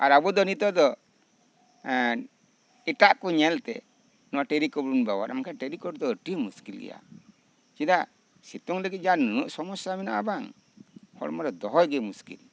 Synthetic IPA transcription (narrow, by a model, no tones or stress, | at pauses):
a̰ɾabɔd̪ɔnit̪ɔd̪ɔ | iʈaʔkɔɲɛlt̪ɛ̰ | nɔwaʈeɾikɔbɾunbawa̰ɾamakʰɛʈeɾikɔɾd̪ɔəʈimuskilɡɛ̰ja̰ | t͡ʃid̪a | sit̪ɔŋləɡit̪̚d͡ʒanunuʔsɔmɔsamɛna̰ʔabaŋ | hɔ̰ɽmaɾɔd̪ɔɦɔjɡɛmuskḭl